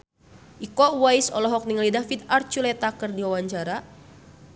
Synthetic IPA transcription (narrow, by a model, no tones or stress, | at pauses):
ʔikɔwajsɔlɔɦɔk̚niŋlidafit̪̚art͡ʃulɛt̪akərdiwawaɲt͡ʃaɾa